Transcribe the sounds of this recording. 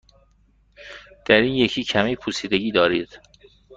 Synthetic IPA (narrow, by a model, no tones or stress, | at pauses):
d̪̥æɾiːnje̞cʰiːcʰæmiːpʰusiːd̪e̞ɟiːd̪ɒːɾiːd̪̥